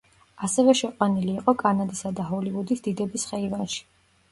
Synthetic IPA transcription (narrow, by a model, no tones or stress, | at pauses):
asɛvɛʃɛqʼwaniliːqʼɔkʼanad̪isad̪aɦɔlivud̪isd̪̥id̪ɛbisχɛivanʃi̥